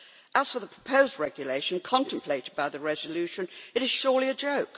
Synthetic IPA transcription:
ʔəz̥fə˞ðəpʰɹ̥ə̥pʰəʊzd̚ɹɛɡjɨleɪʃɨ̃nkʰɑ̃ntə̃m̩pʰl̥eɪɾɨd̚baɪðɨɹɛzəlʉʃɨ̃nɨɾɨz̥ʃʊɹliɨd͡ʒoʊk

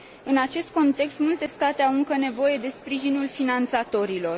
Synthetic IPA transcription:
ɨnat͡ʃe̞st̪̚ko̞nt̪e̞kst̪mult̪e̞st̪at̪eawɨŋkəne̞vo̞je̞d̪e̞spɾiʒinulfinant̪sat̪o̞ɾilo̞r

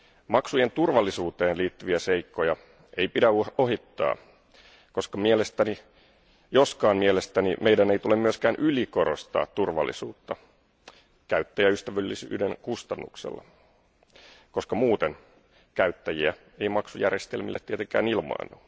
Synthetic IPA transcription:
mɑksujent̪urʋɑlːisuːt̪eːnliːt̪ːyʋiæseikːojɑ | eipidæuoɦit̪ːɑ̰ː | ko̞skɑmielest̪æni | joskɑːmmielest̪ænimeidæneit̪ulemmyøskæːnʔyliko̞ɾost̪ɑ̰ːt̪tːurʋɑ̰lːḭsuːt̪ːɑ | kæyt̪ːæjæyst̪æʋylːisy̰ːdeŋkust̪ɑnːṵksḛlːɑ̰ | koskɑmuːt̪en | kæyt̪ːæjiæ | e̞imɑksujærest̪elmḭlːet̪t̪ːiet̪eŋkæːnilmɑ̰inːu

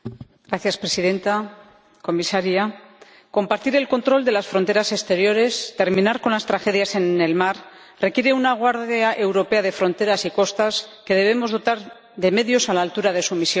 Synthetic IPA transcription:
ɡɾaθjaspɾe̞siðe̞nt̪a | ko̞misaɾja | ko̞mpaɾt̪iɾe̞lko̞nt̪ɾo̞ld̪e̞lasfɾo̞nt̪e̞ɾase̞st̪e̞ɾjo̞ɾe̞st̪e̞ɾmĩnaɾko̞nlast̪ɾaxe̞ðjase̞ne̞lmaɾ | re̞kje̞ɾe̞unaɣ̞waɾðjaʔe̞wɾo̞pe̞aðe̞fɾo̞nt̪e̞ɾasiko̞st̪aske̞ðe̞β̞e̞mo̞zð̞o̞t̪aɾ | ðe̞me̞ðjo̞salaːlt̪uɾaðe̞sumisjon

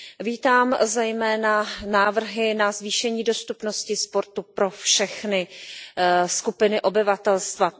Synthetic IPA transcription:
viːt̪aːmzɛjmɛːnanaːvr̩ɦɪnazviːʃɛɲiːdo̞st̪upno̞scɪspo̞ɾt̪upɾo̞fʃɛxnɪ | skupɪnɪʔo̞bɪvat̪ɛlst̪va

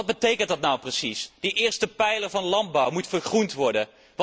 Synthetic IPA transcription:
ɑd̚bətejkəntdɑtnawprəsisd̥iʔɪːɹstəpɛjləɹvɑnlɑnd̚bɔwmutfəɹχruntʋɔɹdən | ʋ

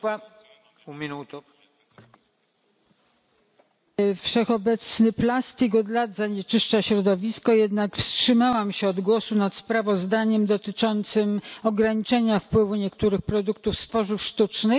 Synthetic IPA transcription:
umʲinut̪u | fʂɛxɔbɛt̪snɘplast̪ikɔd̪lad̪zaɲɛt͡ʂɘʂt͡ʂaɕɾɔd̪ɔvʲiskɔjɛd̪nakfstʂɘmawamɕɛɔd̪ɡwɔsunat̪spɾavɔzd̪aɲɛmd̪ɔt̪ɘt͡ʂɔnt̪sɘmɔɡɾaɲit͡ʂɛɲafpwɘvuɲɛkt̪uɾɘxpɾɔd̪ukt̪ufst̪fɔʐufʂt̪ut͡ʂnɘx

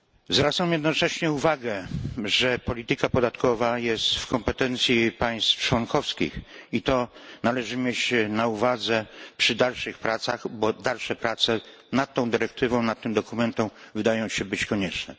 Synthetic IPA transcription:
zvɾat̪samjɛd̪nɔt͡ʂɛɕɲɛuvaɡɛʐɛpɔlʲit̪ɘkapɔd̪at̪kɔvajɛst̪fkɔmpɛt̪ɛnt̪sʲjipaj̃st̪ft͡ʂwɔnkʰɔfskʲḭxit̪ɔnalɛʐɘmʲjɛt͡ɕnauvad̪zɛpʂɨd̪alʂɨxpɾat̪saxbɔd̪alʂɛpɾat̪sɛ | nat̪̚t̪ːɔ̃w̃d̪ɘɾɛk̚t̪ɘvɔ̃w̃nat̪t̪ːɘmd̪ɔkumɛnt̪ɔ̃w̃vɘd̪ajɔ̃w̃ɕɛbɘt͡ɕkɔɲɛt͡ʂnɛ̰

